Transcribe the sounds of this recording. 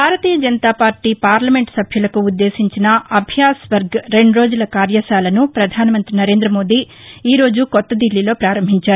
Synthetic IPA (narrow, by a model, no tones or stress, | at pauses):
bʱaːɾɐt̪iːjɐd͡ʒɐnɐt̪aːpaːɾʈiːpaːɾlɐme̞ɳʈsɐbʱjulɐkuːd̪ːe̞ːsiɲt͡ʃinɐɐbʱjaːsʋɐɾɡɾe̞ɳɖɾo̞ːd͡ʒulɐkaːɾjɐʃaːlɐnupɾɐd̪ʱaːnɐmɐnt̪ɾinɐɾeːnd̪ɾɐmo̞ːd̪i | iːɾo̞ːd͡ʒukɔt̪ːɐd̪ilːilo̞ːpɾaːɾɐmbʱiɲt͡ʃaːɾu